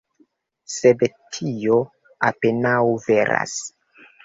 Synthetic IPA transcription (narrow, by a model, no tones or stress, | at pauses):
sedetʰio | apenawveɾa̰s